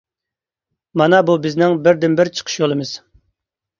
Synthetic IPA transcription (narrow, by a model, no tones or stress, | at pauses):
mɑnɑbubɪznɪŋbɪɾd̪ɪnbɪɾt͡ʃʰə̥qʰə̥ʃjolˠɨmɨz̥